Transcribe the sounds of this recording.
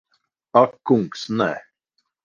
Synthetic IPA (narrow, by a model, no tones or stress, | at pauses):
akːuŋksnɛ̰